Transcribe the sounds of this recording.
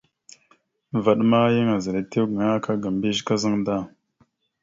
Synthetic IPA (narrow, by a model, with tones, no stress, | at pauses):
va˨ɗma˦jə˦ŋa˨zə˨ɾa˨te˦wɡa˨ŋa˦ka˦ɡa˨m˨bi˦ʒka˦zə˦ŋda˦